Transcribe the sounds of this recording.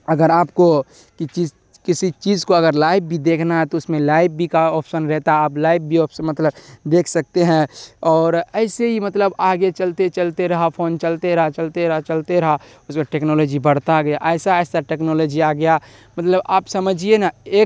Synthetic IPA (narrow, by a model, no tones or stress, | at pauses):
əɡəɾaːp̚ko | kit͡ʃi | kɪsit͡ʃiːd͡ʒkoɐɡəɾlaːɪb̚bʱid̪eːkʰnaɦɛt̪oʊsmẽlaːɪb̚bʱikaɔːpʰʃənɾɛɦt̪aɦɛaːplaːɪb̚bʱiɔːpʰsənmət̪ləbd̪eːkʰsək̚t̪eɦɛ̃ɔːɾɛɪseɦimət̪ləbaːɡet͡ʃəlt̪et͡ʃəlt̪eɾɐɦapʰoːnt͡ʃəlt̪eɾɐɦat͡ʃəlt̪eɾɐɦat͡ʃəlt̪eɾɐɦa | ʊskaʈeːknoloːd͡ʒibəɽ̤t̪aɡəjaʔɛːsaɛːsaʈeːknoːloːd͡ʒiaɡəja | mət̪ləbaːpsəməd͡ʒʱienaeːk